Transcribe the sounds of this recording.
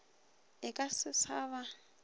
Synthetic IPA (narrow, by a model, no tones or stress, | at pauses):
ɪkʼasɪsaːβa